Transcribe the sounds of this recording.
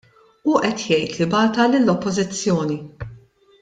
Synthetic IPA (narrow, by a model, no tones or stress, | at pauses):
uʔɛt̪jɛjt̪libɐːt̪ɐlɪlːɔpːɔzɪt͡sːjɔːni